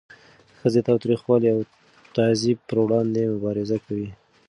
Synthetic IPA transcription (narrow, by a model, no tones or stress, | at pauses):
xəzet̪ɑwt̪ɾixwɑliaw | t̪azipəɾwɽɑnd̪emʊbɑɾɪzakawi